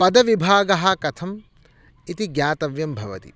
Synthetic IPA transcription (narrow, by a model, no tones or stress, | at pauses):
pɐd̪ɐʋibʱaːɡɐɦɐ̆kɐt̪ʰɐm | it̪iɡjaːt̪ɐʋjɐmbʱɐʋɐt̪ḭ